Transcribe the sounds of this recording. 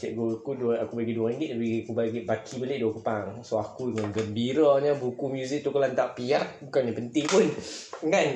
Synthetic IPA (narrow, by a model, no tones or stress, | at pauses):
t͡ʃɛʔɡukudakubaɡiduaŋiŋɡɪʔ̚abiakubaɡiʔbakʰibəlɪʔduəkupaŋsoakudəŋanɡəmbiɾɔɲəbukumjuzɪk̚t̪ukalant̪aʔpiarbukanɲapənt̪ɪŋpʊnkan